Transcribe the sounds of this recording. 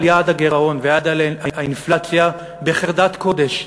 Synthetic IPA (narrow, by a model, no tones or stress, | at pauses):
ljadaɡeʁao̞nvead̪alaainflat͡sja | beχeʁd̪at̪ko̞d̪e̞ʃ